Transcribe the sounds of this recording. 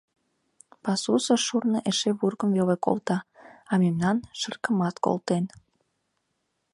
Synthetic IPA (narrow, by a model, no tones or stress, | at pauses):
pɑsusəʃurnəʔeʃeβurɣəmveleko̰lt̪ɑɑmemnɑnʃərkəmɑt̪ko̰lt̪en